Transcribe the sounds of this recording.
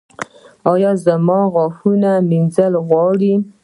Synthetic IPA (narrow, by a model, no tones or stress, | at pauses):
ɑjɑzamɑɣɑfunaminzəlɣwɑɽi